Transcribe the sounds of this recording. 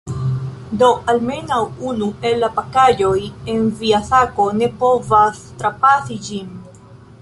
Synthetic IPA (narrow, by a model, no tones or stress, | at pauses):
do̞alme̞nawunue̞lːapakajo̞je̞nviasako̞ne̞po̞vastɾapasid͡ʒin